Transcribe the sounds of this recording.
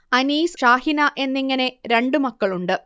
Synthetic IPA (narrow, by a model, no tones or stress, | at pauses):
ɐniːsʂaːɦinɐʔe̞nːiŋːɐne̞ɾe̞ɳɖɨmɐkːɐɭuɳɖɨ